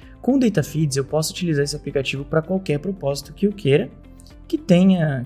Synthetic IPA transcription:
kõd̪ejt̪ɐfid͡ʒɪzewpɔsʊut͡ʃilizaɾesɪaplikat͡ʃivʊpɾɐkwawkɛɾpɾopɔzi̥t̪ʊ̥kɪewkʰeɾɐ | kɪt̪ẽɲ̃ɐ

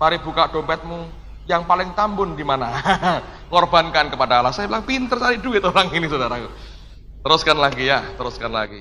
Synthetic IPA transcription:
maɾib̥ukaʔɖ̥o̤mpɛt̪̚mu | jaŋpalɪŋt̪ambʊndimana | ŋɔrb̥ankankəpadaːlasabilaŋpint̪ərsaɾiduɡɛt̪oɾaŋinisodaɾaku | t̪əɾʊskanlaɡijat̪əɾʊskanla̰ɡi

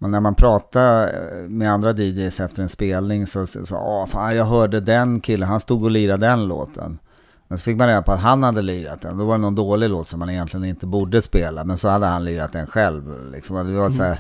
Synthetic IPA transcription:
mɛnːæɾmanpʰɾɑːt̪amɛand̪ɾad̪id͡ʒɛjsɛft̪əɾɛnspeːlnɪŋsɔsɔ̰ɔfa̰ːjɑːɡɦœːɖəd̪ɛnkʰɪlːənɦanst̪uːɡɔlyːɾad̪ɛnlo̰ːt̪ʰə̰n | mɛnsɔfɪk̚manɾeːd̪apʰɔat̪ɦanhad̪ːəliːɾa̰t̪̚d̪ɛ̰nd̪ɔvaɾɛnɔnd̪oːlɪloːt̪sɔmːanɪjɛnt̪lɪɡənɪnt̪əbuːɖəspeːlamɛnsɔhad̪ːəhanliːɾat̪̚d̪ɛnɧɛlvlɪ̰ksɔmad̪ɛvaɛt̪sɔæːɾ

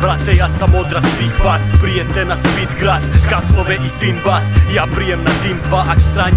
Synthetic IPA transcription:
bɾat̪ɛjasamod̪ɾasʋiːxvaːspɾijɛt̪ɛnaspit̪ɡɾaskasoʋɛʔifinvasjaːpɾijɛmnat̪iːmd̪vaʔakst̪ɾaɲ

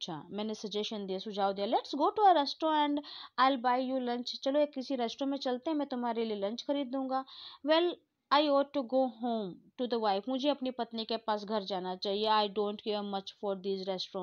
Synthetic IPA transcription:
ɐtːʃʰa̰ːmɛ̃ːnesɐd͡ʒɛʃənd̪iasʊd͡ʒʱaːwd̪ijalɛʈsɡoːʈuəɾɛsʈɾoɛ̃ɳɖaːɪlbaːɪjulɐ̃nt͡ʃt͡ʃɐloekːɪsiɾɛːsʈɾõmẽt͡ʃɐlt̪eɦɛ̃mɛ̃t̪ʊmaːɾelielɐ̃nt͡ʃxɐɾiːd̪̚ːũːŋɡaːʋɛl | aːɪɔːʈːuɡoːɦõːmʈud̪əʋaːɪfmʊd͡ʒʱeɐpnipɐt̪nikepaːsɡʱɐɾd͡ʒaːnat͡ʃaːɦieaːɪɖõːɳʈɡemɐt͡ʃfɔːɾd̪iːzɾɛsʈɾɔ̃

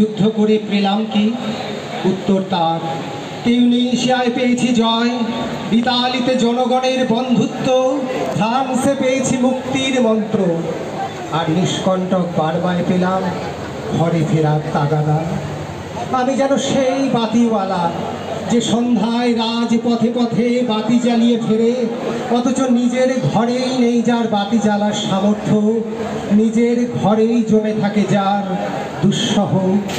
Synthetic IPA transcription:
ud̪ʱːokoɾepɾelamki | ut̪ːoɾt̪aɾ | t̪iuniʃiaepejet͡ɕʰid͡ʑɔe | bit̪alit̪ed͡ʑɔnoɡɔneɾbɔnd̪ʱut̪ːod̪ʱamsepejet͡ɕʰimuk̚t̪iɾmɔnt̪ɾo | aɾniʃkɔɳʈok̚baɾbaepelam | kʰɔɾefʰeɾakt̪aɡad̪a | amid͡ʑɛnoʃejbat̪iwala | d͡ʑeʃɔnd̪ʱaeɾad͡ʑpɔt̪pɔt̪ʰebat̪id͡ʑalijefʰeɾe | ɔt̪ot͡ɕonid͡ʑeɾɡʱɔɾejnejd͡ʑaɾbat̪id͡ʑalaɾʃamoɾt̪ʰːo | nid͡ʑeɾɡʱɔɾejd͡ʑomet̪ʰaked͡ʑaɾ | d̪uʃːɔɦo

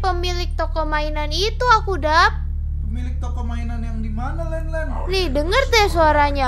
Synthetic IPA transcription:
pəmilɪk̚t̪okomainanit̪uakudap̚ | pəmilɪk̚t̪okomainanjaŋdimanalanlɛn | nihdəŋərt̪ɛsoaɾaɲa

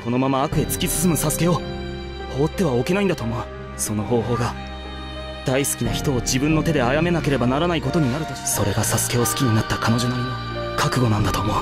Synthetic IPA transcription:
ko̞no̞mamaːkɯ̟e̞t͡sɨ̥kʲisɨ̥sɨmɯ̟sasɨ̥ke̞o̞ | ho̞ːt̪ːe̞βao̞ke̞naind̪at̪oːmo̞ɯ | so̞no̞ɦo̞ːɦo̞ːɡa | d̪̥aisɨ̥kʲinaçi̥t̪o̞ːd͡ʑibɯ̟̃nːo̞t̪e̞d̪e̞ajame̞nake̞ɾe̞banaɾanaiko̞t̪o̞ɲ̟inaɾɯ̟t̪o̥so̞ɾe̞ɡasasɨ̥ke̞o̞sɨ̥kʲiɲ̟inat̪ːakano̞ʑonaino | kʰakɯ̟ɡo̞nãnd̪at̪o̞ːmo̞

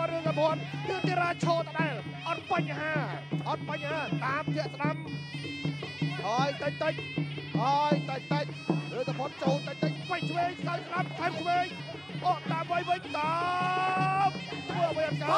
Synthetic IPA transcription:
ɾɨəŋsapoənkɨəŋt̪iəɾaːt͡ɕʰoːlt̪ʰaɗaɛl | ʔɑt̪̚paɲɦaːʔɑt̪̚paɲhaːt̪aːmpʰiəʔsɗam | haəjt̪əc̚t̪ɨc̚haəjt̪əc̚t̪əc̚rɨːəŋsapʰŏənt͡ɕoːlt̪əc̚t̪əc̚pəɲt͡ɕʰʋeːŋsɗawsɗamkʰaɛmsʰʋeːɲ | ʔɔʔt̪aːmʋəjʋɨɲt̪a | mt̪ʰməːʔəʋəjʔɑnka

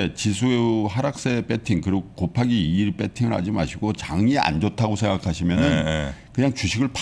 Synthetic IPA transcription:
et͡ɕisʰueuɦaɾak̚s͈e̞p͈e̞tʰiŋkɯɾiɡokopʰaɡiiːɾp͈e̞tʰiŋɯɾɦa̰d͡ʑima̰ɕʰiɡot͡ɕaŋiʔa̰nd͡ʑʌtʰaɡosʰeŋɡakʰaɕʰimjʌnɯnkɯɲaŋt͡ɕuɕʰiɡɯɭp

